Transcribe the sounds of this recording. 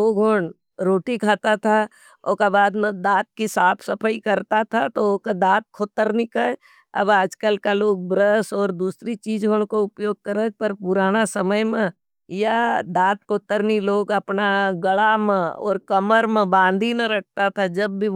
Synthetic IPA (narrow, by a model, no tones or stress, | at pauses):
oːɡʱoɳ | ɾoːʈikʰaːt̪at̪ʰa | okabaːd̪mẽd̪aːt̪̚kisaːpʰsɐpʰəikəɾt̪at̪ʰat̪okad̪aːt̪̚kʰoːt̪ːəɾnikə | ɐ̰baːd͡ʒkəlkaloːɡ̚bɾəsɔːɾd̪uːsɾit͡ʃiːd͡ʒɦoɳkoʊpjoːɡ̚kəɾək̪̚pɐɾpʊɾaːnasəməjmẽ | jad̪aːt̪̚kʰot̪ːəɾniloːɡɐpnaɡəɭamẽɔ̰ːɾkəməɾmẽbãːnd̪ʱinɐɾɐk̚ʰt̪at̪ʰad͡ʒɐbːi